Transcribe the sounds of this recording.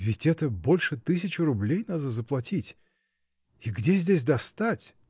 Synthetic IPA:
vʲɪtʲɛt̪əbo̞lʲʂɨt̪ɨs̬ʲɪt͡ɕɪɾʊblʲejnad̪əzəplˠɐtʲitʲ | iɡdʲezʲdʲesʲd̪ɐst̪atʲ

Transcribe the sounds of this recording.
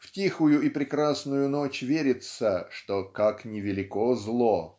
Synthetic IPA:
ftʲixʊjʊipɾʲɪkɾasnʊjʊno̞t͡ɕvʲeɾʲɪt̪səʂt̪okaknʲɪvʲɪlʲɪkozlˠo

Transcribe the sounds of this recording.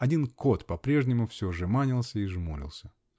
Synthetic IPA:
ɐdʲinko̞t̪pɐpɾʲeʐnʲɪmʊfsʲoʐɨmanʲɪlˠsʲəiʐmulʲɪ̰lˠsʲə

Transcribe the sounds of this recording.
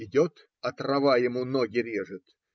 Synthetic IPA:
ɪdʲot̪ | ɐt̪rɐvajɪmunoɡʲɪɾʲeʐɨt̪

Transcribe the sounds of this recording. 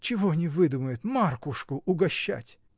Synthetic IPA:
t͡ɕɪvo̞nʲɪvɨd̪uməjʊt̪markʊʂkʊʔʊɡɐɕːæ̰tʲ

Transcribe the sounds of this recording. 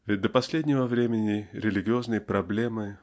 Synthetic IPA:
vʲɪt̚ʲd̪əpɐsʲlʲedʲnʲɪvəvɾʲemʲɪnʲɪɾʲɪlʲɪɡʲɪoznɨjəpɾɐblʲemɨ

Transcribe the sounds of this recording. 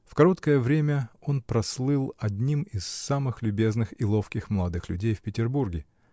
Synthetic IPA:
fkɐɾo̞t̪kəjəvɾʲemʲəo̞npɾɐslˠɨlˠɐdʲnʲimɪsːamɨxlʲʉbʲe̞znɨxilˠo̞fkʲɪxməlˠɐd̪ɨxlʲʉ̰dʲejfʲpʲɪtʲɪrburɡʲɪ

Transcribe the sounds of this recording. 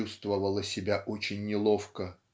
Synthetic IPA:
ust̪vəvəlˠəsʲɪbʲaʔot͡ɕɪnʲːɪlˠo̞fkə

